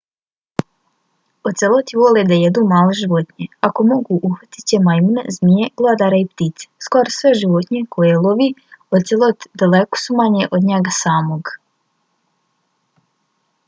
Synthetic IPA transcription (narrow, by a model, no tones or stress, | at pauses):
ot̪selˠo̞t̪iʋo̞led̪ajed̪uːmaːleʒiʋot̪ɲeako̞mo̞ɡuʔuxʋat̪i̥t͡ɕemajmunḛzmijeɡlˠad̪aɾaipt̪it̪se̥skoɾosʋe̞ʒiʋot̪ɲekʰo̞jelˠoʋiot̪selˠot̪d̪aleko̥sumaɲeʔod̪ɲeɡasaːmoɡ